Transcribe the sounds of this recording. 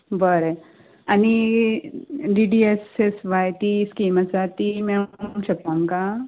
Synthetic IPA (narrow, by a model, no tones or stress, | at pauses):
bəɾe | ani | ɖiɖiesesʋajt̪iskiːmat͡sat̪imɛmɕəpːãŋka